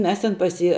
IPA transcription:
ˈmʲɛs tʲɪn pɐs ˈjiː

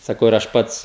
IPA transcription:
sɐˈkɐʊ ɪr ˈɐʃ ˈpɐts

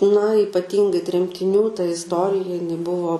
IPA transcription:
nɐ iːpɐˈtʲiːŋɡɐɪ tʲrʲɛmʲtʲɪˈnʲuː tɐ ɪsˈtoːrʲɪjɛ jɪˈnɐɪ ˈbʊʋoː

